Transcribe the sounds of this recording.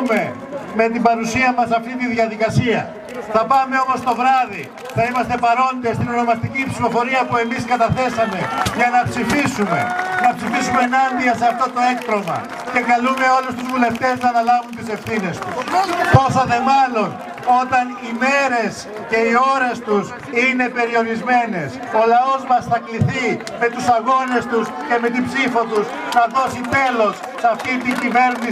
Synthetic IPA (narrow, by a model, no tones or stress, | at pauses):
me̞ | me̞t̪ibɐɾusiɐmɐsɐft̪it̪inðiɐðikɐsiɐ | θɐpɐme̞o̞mo̞st̪o̞vɾɐði | θɐimɐst̪e̞pɐɾo̞nd̪est̪inono̞mɐst̪icipsifo̞fo̞ɾiɐpue̞miskɐt̪ɐθe̞sɐme̞ʝɐnɐpsifisume̞̰nɐpsifisumeenɐnd̪iɐse̞ɐft̪ot̪o̞e̞kt̪ɾo̞mɐ̰ | ce̞kɐlume̞o̞lust̪uzvule̞ft̪e̞znɐːnɐlɐvunt̪ise̞fθine̞st̪uspo̞sɐðe̞mɐlo̞n | o̞t̪ɐnime̞ɾe̞s | ce̞io̞ɾe̞st̪us | ine̞pe̞ɾio̞ɾizme̞ne̞s | o̞lɐo̞zmɐsθɐkliθi | met̪usɐɣo̞ne̞st̪usce̞me̞t̪ibsifo̞t̪us | nɐðo̞sit̪e̞lo̞sːɐft̪it̪iɲɟive̞ɾni